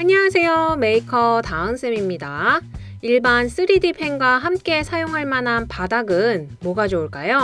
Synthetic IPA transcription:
aɲaasʰe̞jome̞ikʰʌtaɯns͈ʰemimɲida | iɭbans͈ʰɯɾidipʰe̞ŋɡwaɦamk͈e̞sʰajoŋɦaɭmanɦanpadaɡɯnmoɡad͡ʑouɭk͈ajo

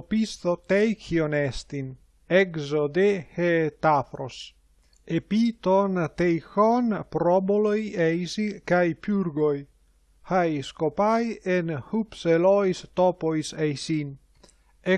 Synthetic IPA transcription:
opist̪ot̪ɛjkionɛst̪in | ɛɡzod̪ehet̪afɾo̰s | epit̪ont̪ejxɔnpɾɔbolojɛjsikajpjuɾɡoj | hajskopajenhupselɔjst̪ɔpojsejsin | e

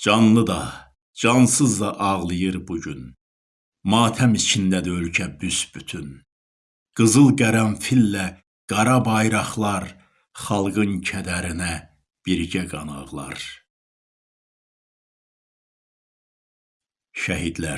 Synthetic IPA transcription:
d͡ʒɑnlˠɯd̪ɑ | d͡ʒɑnsɯzd̪ɑʔɑʁlˠɯjɯɾbuɟyn | mɑːt̪ʰæmit͡ʃʰind̪æd̪ølcʰæbysbyt̪ʰyn | ɡ̥ɯzɯlˠɡæɾænfilːæ | ɡ̥ɑɾɑbɑjɾɑχlˠɑɾ | χɑlˠɡɯncʰæd̪æɾinæ | b̥iɾɟæɡɑnɑ̰ʁlˠɑ̰ɾ | ʃæɦid̪læɾ

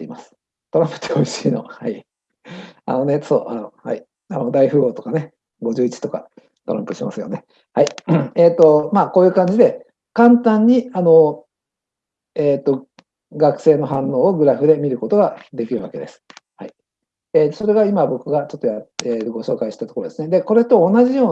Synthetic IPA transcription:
t̪eimasɨ̥ | t̪o̞ɾãmpɯ̥t̪ʰeo̞iɕiːno̞hai | a̰no̞ne̞so̰ːʔanohai | anod̪aiɸɯ̟ːo̞ːt̪o̞kane̞ | ɡo̞ʑɨːit͡ɕi̥t̪o̞ka̰ | t̪o̞ɾã̰mpɯ̟̥ɕima̰sɨjo̞ne̞ | haieːt̪o̞maːko̞ːjɯ̟ːkãɲ̟d͡ʑid̪e̞ | kãnt̪ãɲ̟ːiano̞ | eːt̪ːo̞ | ɡakɯ̟̥se̞ːno̞ɦãnːo̞ːoɡɯ̟ɾaɸɯ̟d̪e̞mʲiɾɯ̟ko̞t̪o̞ɡad̪e̞kʲiɾɯ̟βa̰ke̞d̪e̞sɨ̥hai | eːso̞ɾe̞ɡaimabo̞kɯ̟ɡat͡ɕo̞t̪ːojaeːt̪ɡo̞ɕo̞ːkaiɕi̥t̪at̪o̞koɾo̞d̪esɨne̞d̪e̞ko̞ɾe̞t̪o̞ːnaʑijo̞ː

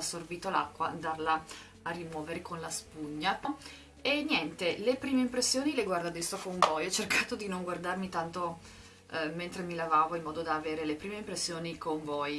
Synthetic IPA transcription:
asːorbiːt̪ola̰kːwaːnd̪arlaː | rːimwɔːveɾekonlaspuɲːapo | enjɛnt̪elepɾiːmeimpɾesːjoːnileɡward̪ad̪ɛst̪okoɱvɔjɔt͡ʃerkaːt̪od̪inoŋɡward̪armit̪ant̪o | ment̪ɾemilavaːvoilmɔːd̪od̪aːveːɾelepɾiːmeimpɾesːjoːnikoɱvɔj

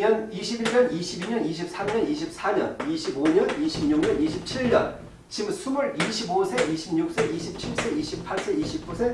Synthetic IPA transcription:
ʌniɕʰibiɭɲʌniɕʰibiɲʌniɕʰip̚s͈ʰamɲʌniɕʰip̚s͈ʰaɲʌniɕʰiboɲʌniɕʰimɲuŋɲʌniɕʰip̚t͡ɕʰiɭɲʌ̰n | t͡ɕimsʰumuɾiɕʰibosʰe̞iɕʰimɲuk̚s͈e̞iɕʰip̚t͡ɕʰiɭs͈e̞iɕʰipʰaɭs͈e̞iɕʰip̚k͈usʰe̞

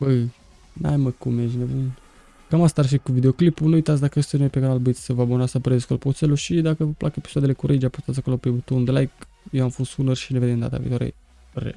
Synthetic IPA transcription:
bə | na̰jməkumjeʒnevun | kamast̪arʃikuvid̪eo̞klipunuujt̪at̪sʲd̪akəəst̪ənepeɡanalbit̪sʲsəvəabonasapəɾezeskolpot̪seluʃid̪akəvəpla̰kəepi̥soad̪elekuɾʔed͡ʒapust̪at̪sʲako̞lopebut̪ond̪lajk | jewamfost̪unərʃineved̪emnd̪a̰t̪a̰vḭt̪waɾḛ | ɾḛ

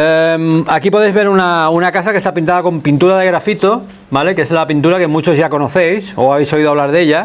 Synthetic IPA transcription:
emakipo̞ð̞ejzβe̞ɾunaunakasake̞st̪apint̪aðako̞mpint̪uɾaðe̞ɣ̞ɾafit̪o | bale̞ke̞zlapint̪̬uɾake̞mut͡ʃo̞zʝako̞noθe̞jsoaβe̞jso̞iðoaβlaɾðe̞ʎa

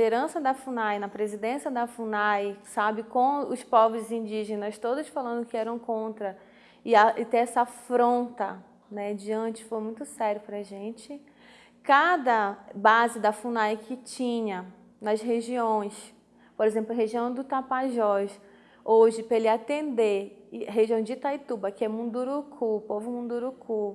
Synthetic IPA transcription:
lid̪eɾɐ̃sɐd̪ɐfunajnɐpɾezid̪ẽsiɐd̪ɐfunajsabɪkõʊspɔvɾɪzĩnd͡ʒiʒenɐst̪od̪ʊsfalɐ̃nd̪ʊkɪɛɾɐ̃w̃kõnt̪ɾɐ | ɪaʔɪt̪ẽɛsɐfɾõnt̪ɐ | nɛd͡ʒiɐ̃nt͡ʃɪ̥fojmũj̃t̪ʊsɛɾjʊpɾɐʒẽnt͡ʃɪ | kad̪ɐbazɪd̪ɐfunajkʰɪt͡ʃĩɲɐ | nɐʃɦeʒiõj̃s | poɾezẽmplʊɐɦeʒiɐ̃w̃d̪ʊt̪apaʒɔʃ | oʒɪpelɪat̪ẽnd̪eɦeʒiɐ̃w̃d͡ʒɪt̪ajt̪ubɐkɪɛmũd̪uɾukʰupovʊmũd̪uɾuku

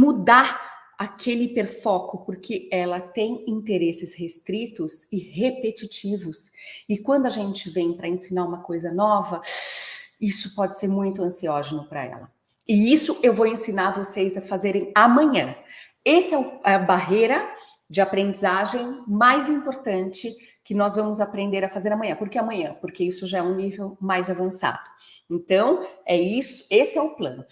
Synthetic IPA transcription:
mud̪a | akʰelɪpeɾfɔkʊpʊɾkʰɪɛlɐt̪ẽj̃ĩnt̪eɾesɪshest̪ɾit̪ʊsɪhepet͡ʃit͡ʃivʊsɪkwɐ̃nd̪ʊɐaʒẽnt͡ʃɪvẽj̃pɾɐẽsinaɾũmɐkojzɐnɔvɐ | isʊ̥pɔd͡ʒɪseɾmũj̃t̪ʊɐ̃siɔʒenʊpɾɐ̰ɛ̰lɐ | ɪisʊʔewvowẽsinaɾvosejzɐfazeɾẽj̃amɐ̃ɲɐ̃ | esɪɛʊɐbaɦejɾɐ | d͡ʒɪapɾẽnd͡ʒizaʒẽj̃majzĩpoɾt̪ɐ̃nt͡ʃɪ | kɪnɔzvɐ̃mʊzapɾẽnd̪eɾɐfazeɾɐmɐ̃ɲ̃ɐ̃poɾkeamɐ̃ɲ̃ɐ̃poɾkeisʊʒaɛũnivewmajzavɐ̃sa̰d̪̥ʊẽnt̪ɐ̃w̃ɛisʊ̥esɪɛʊplɐ̰̃nʊ

